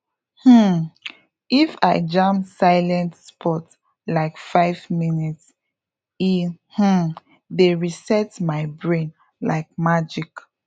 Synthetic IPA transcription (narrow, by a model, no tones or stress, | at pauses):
h̩ | ifa̰ɪd͡ʒãmsaɪlɛ̃ntspʰɔt | laɪkfaɪvminits | ih̩ | deɹisɛtmaɪbɹẽn | la̰ɪk̚mad͡ʒik